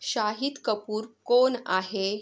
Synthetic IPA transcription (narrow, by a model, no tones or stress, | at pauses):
ɕaɦit̪kəpuːɾkona̰ɦe